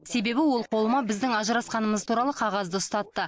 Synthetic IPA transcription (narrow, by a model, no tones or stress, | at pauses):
se̞be̞bɪwo̞lˠqʰo̞lˠəmɑbɪzd̪ɪŋɑʒəɾɑsqɑnəməzt̪ʰuɾɑlˠəqʰɑʁɑzd̪əʊst̪ɑt̪ːə